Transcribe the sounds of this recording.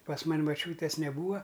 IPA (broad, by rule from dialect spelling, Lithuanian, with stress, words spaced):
pɐs ˈmɐnʲ mɐˈt͡ʃʲuːtʲeːs nʲɛˈbuːɐ